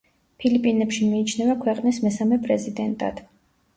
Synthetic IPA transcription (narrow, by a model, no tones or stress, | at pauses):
pʰilipʼinɛpʃimiːt͡ʃʰnɛvakʰwɛqʼnismɛsamɛpʼɾɛzid̪ɛnt̪ʼa̰d̪̥